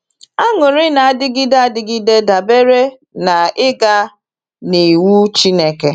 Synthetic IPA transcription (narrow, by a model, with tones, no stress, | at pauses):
a˦ŋʊ˨ɾɪ˦na˨a˦˨dɪ˦ɡɪ˦de˦a˦dɪ˦ɡɪ˦de˦da˨be˦ɾe˦ | na˨ɪ˦ɡa˦ | ne˨wu˦t͡ʃi˦ne˦ke˦